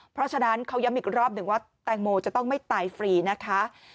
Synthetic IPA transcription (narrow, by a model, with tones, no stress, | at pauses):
pʰɾɔ˦˥t͡ɕʰa˧na˦˥nkʰa˦˥wja˦˥mʔiː˨˩k̚ɾɔː˥˩p̚nɯ˨˩ŋwaː˥˩t̪ɛː˧ŋmoː˧t͡ɕa˨˩t̪ɔ˥˩ŋma˥˩jt̪aː˨jfɾiː˧˩na˦˥kʰa˦˥